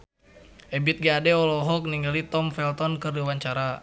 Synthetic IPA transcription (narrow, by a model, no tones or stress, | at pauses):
ʔɛbit̪̚ɡaːdɛɔlɔɦɔk̚niŋɡalit̪ɔmfɛlt̪ɔnkɨrdiwaɲt͡ʃaɾa